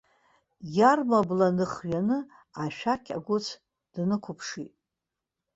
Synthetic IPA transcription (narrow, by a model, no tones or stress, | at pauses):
jarmablanɨχɥanɨ | aʃᶣakʲʰa̰ɡʷʊt͡sʰ | d̥nɨkʷʰʊpʰʂitʼ